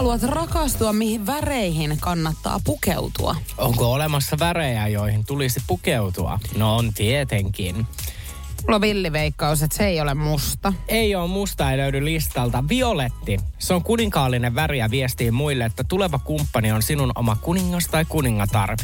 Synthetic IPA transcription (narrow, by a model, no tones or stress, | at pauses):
ɑluɑt̪rɑkɑst̪uɑmmihiʋʋæreihinkɑnːɑt̪ːɑ̰ːpukḛut̪ṵɑ̰oŋkoolemɑsːɑʋæɾejæjo̞ihint̪ulisipukeut̪uɑ̰nont̪iet̪eŋk̟in | mulːɑʋilːiʋeikːɑuset̪seeijolemmust̪ɑeioːmmust̪ɑeløydylist̪ɑlt̪ɑʋio̞let̪ːiseoŋkuniŋkɑːlːineʋʋæriæʋiest̪iːmmuilːeet̪ːæt̪uleʋɑkumpːɑnio̞nsinuno̰mɑkuniŋːɑst̪ɑikuniŋːɑt̪ɑ̰rpi